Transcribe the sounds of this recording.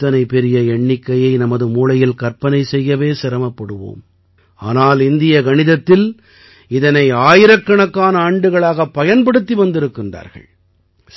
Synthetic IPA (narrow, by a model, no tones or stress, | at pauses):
ɐnɐɪpːɛɾɪjɐɛɳːɪkːɐjɐɪnɐmɐðɯmuːlɐjɪlkɐɾpɐnɐɪsɛjːɐʋeːsɪɾɐmɐpːɐɽɯʋo̰ːm | aːnaːlɪnd̪ɪjɐɡɐɳɪðɐt̪ːɪl | ɪðɐnɐɪaːjɪɾɐkːɐɳɐkːaːnɐaːɳɖɯɣɐɭaːɣɐpːɐjɐnpɐɽɯt̪ːiʋɐnd̪ɪɾɯkːɪndra̰ːɾɣɐ̰ɭ